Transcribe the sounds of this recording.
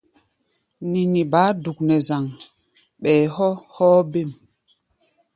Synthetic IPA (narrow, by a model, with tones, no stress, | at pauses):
ni˨ni˨baː˨˦du˨k̚nɛ˨za˨ŋ | ɓɛː˨hɔ˦hɔː˦be˦˨m